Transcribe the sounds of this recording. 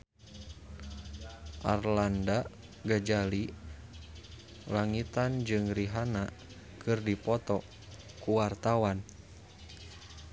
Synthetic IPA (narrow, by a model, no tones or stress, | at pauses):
ʔarlanda | ɡad͡ʒali | laŋit̪and͡ʒɨŋriɦana | kʰɨrdipɔt̪ɔ | kuwart̪awan